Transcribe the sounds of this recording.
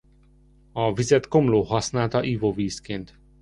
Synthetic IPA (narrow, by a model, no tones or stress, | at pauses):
ɒvizɛt̪ko̞mloːɦɒsnaːlt̪ɒʔivoviːskeːnt̪